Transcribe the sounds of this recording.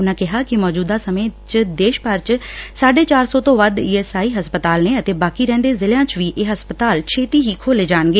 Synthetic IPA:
ʊnãːkɪɦaːkɪmɔːd͡ʒuːd̪aːsəmẽːt͡ʃd̪eːʃpəɾt͡ʃsaːɖeːt͡ʃaːɾsɔːt̪õːʋəd̪iːɛːsaːiːɦəspət̪aːlneːət̪eːbaːkiːɾɛ̃ːnd̪eːzɪljãːt͡ʃʋiːʔeːɦəspət̪aːlt͡ʃʰeːt̪iːɦiːkʰoːleːd͡ʒaːnɡeː

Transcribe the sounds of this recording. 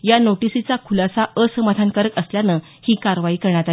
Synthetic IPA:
janoʈisit͡sakʰulasaʔəsəmad̪ʱankəɾəkəsljanə | hiːkaɾʋaiːkəɾɳ̃at̪a

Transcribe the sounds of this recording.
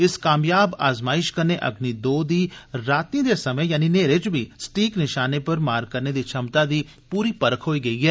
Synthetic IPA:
ɪskaːmjaːba̰ːzmaːɪʃkəɾneʔə̰ɡnid̪oːd̪iːɾaːt̪ĩd̪eːsɐməjaːnineːɾɪt͡ʃbʱiːsʈiːknɪʃaːnepɐɾmaːɾkəɾned̪iːt͡ʃʰɐmt̪ad̪iː | puːɾiːpəɾəkʰɦoːiːɡəiːɦɛː

